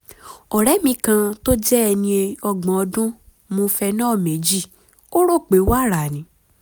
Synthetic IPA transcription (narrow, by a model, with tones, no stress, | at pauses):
ɔ˨ɾɛ˨˦mĩ˧kã˧to˦d͡ʒɛ˦ɛ˧nĩ˧e˧ɔ˧ɡ͡bã˨ɔ˧dũ˦ | mũ˧fɛ˧nãː˦˨me˨˦d͡ʒi˦˨ | o˦ɾo˦˨k͡pe˨˦wa˦˨ɾa˨nĩ˨˦